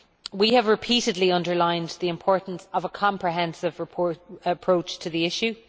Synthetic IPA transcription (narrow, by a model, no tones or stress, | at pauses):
wiəvɹɪpʰiɾɪdˡliʌ̃ndə˞lãɪ̃nðiɪ̃mpʰɔɹʔn̩səvəkʰɑ̃mpɹiɦɛ̃nsɪvɹɪpʰɔəpʰɹ̥oʊt͡ʃtʰəðiɪʃʉ